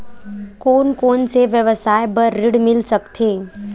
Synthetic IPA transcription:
koːnkoːnseʋjəʋəsaːjbəɾːɪɽmɪlsəkt̪ʰeː

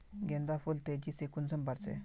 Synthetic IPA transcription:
ɡend̪afolt̪ed͡ʑisekunsəmbaɾsḛ

